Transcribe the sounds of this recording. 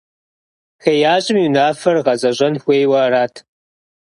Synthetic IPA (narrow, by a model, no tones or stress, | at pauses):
xejaːɕʼɪmiːnaːfɐrʁɐzʼɐʑʼɐnxʷeːjwɐraːtʰ